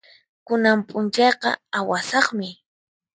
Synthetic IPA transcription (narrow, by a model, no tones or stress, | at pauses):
kʊnampʼʊnt͡ʃɑjqɑ̰awasɑχmɪ